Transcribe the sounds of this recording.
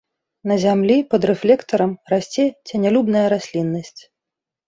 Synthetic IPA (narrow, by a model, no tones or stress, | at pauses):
nɐzʲamlʲipɐd̪ɾɛflʲɛkt̪ɐɾɐmrasʲt͡sʲɛt͡sʲɛnʲalʲubnɐjɐɾasʲlʲinːɐsʲt͡sʲ